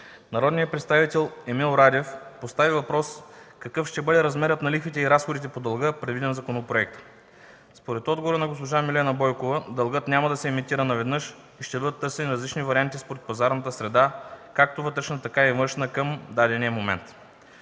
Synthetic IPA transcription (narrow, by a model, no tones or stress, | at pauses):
nɐɾɔd̪nijəpɾɛt̪st̪avit̪ɛlˠɛmilˠoɾad̪ʲɛfpost̪avivɐpɾɔskɐkɤfʃt̪ɛbɤd̪ɛɾɐzmɛɾət̪nɐlixit̪ɛiɾasxod̪it̪̬ɛpod̪ɐlˠɡɤpɾɛd̪vid̪ɛnzɐkonopɾoɛk̚t̪ə̥ | spoɾɛt̪ɔd̪ɡovoɾənɐɡospoʒamilɛnɐbɔjkovəd̪ɐlˠɡɤt̪nʲamɐd̪ɐsɛːmit̪iɾənɐvɛd̪nɤʃ | iʃt̪ɛbɤd̪ət̪ːɤɾsɛniɾɐzlit͡ʃnivɐɾiant̪ispoɾɛt̪̚pɐzaɾnət̪əsɾɛd̪akak̚t̪ovɤt̪ɾɛʃnət̪ɐkaivɤɾʃnəkəmd̪ad̪ɛniəmomɛ̰nt̪